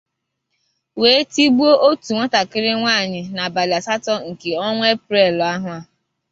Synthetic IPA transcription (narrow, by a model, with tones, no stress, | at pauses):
we˨˦e˦ti˦ɡ͡bu˦o˦ʔo˦tu˨ŋʷa˦ta˨kɪ˦ɾɪ˦ŋʷa˦˨ɲɪ˨na˨ba˨la˨sa˦tɔ˦ŋ̩˨ke˨ɔ˦ŋʷe˦pɾe˦˨lɔ˨a˦ɦʊ˦a˦